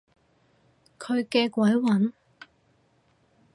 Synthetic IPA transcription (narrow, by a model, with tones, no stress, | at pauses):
kʰɵ˨˧ɥkɛː˧kʷɐ˨˥jwɐ˨˥n